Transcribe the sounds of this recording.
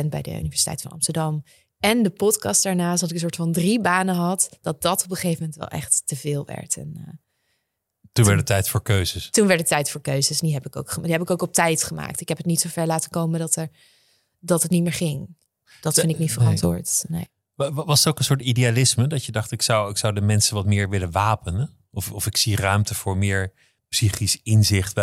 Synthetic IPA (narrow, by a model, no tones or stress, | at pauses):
ɛnbɛ̰jdə̰y̰nivɛɹsi̥tɛ̰jtfɑnɑ̰mstəɹdɑm | ɛndəpɔtkɑstd̥aːɹnaːsdɑtɪkəns̬oːɹtfɑndribaːnəɦɑtd̥ɑt̚d̥ɑtɔpəχejvəmɛntʋɛ̰lˠʔɛ̰χtːəvɪːlˠʋɛ̰ɹtɛ̰nə | tunɛɹdətːɛjtfʊːɹkøɥzəstunʋɛɹdətɛjtfʊːɹkøɥzəsdiɦɛpɪko̰wkχədiɦɛbɪkowkɔp̚tɛjtχəma̰ːk̚tɪkɦɛpətnitsowvɛɹlaːtəkowmədɑtə | dɑtɦətnitmɪːɹχɪŋ | d̥ɑtfɪnɪknitfərɑntʋʊ̰ːɹtnḛj | ʋɑstowkənsʊːɹtidialɪsmədɑtjədɑχtɪksɑwɪksɑwdəmɛnsənʋɑtmɪːɹʋɪlənʋaːpən | ɔfɔfɪksirœɥmtəv̥ʊːɹmɪːɹ | psiχisɪnzɪχt